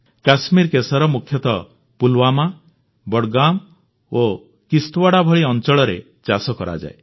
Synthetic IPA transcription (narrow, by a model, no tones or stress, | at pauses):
kasmiɾkesɔɾɔmukʰjɔt̪ɔ | pulwama | bɔɽɡam | o | kist̪waɽabʱɔɭiɔnt͡ʃɔɭɔɾḛ | t͡ʃasɔkɔɾa̰d͡ʒa̰e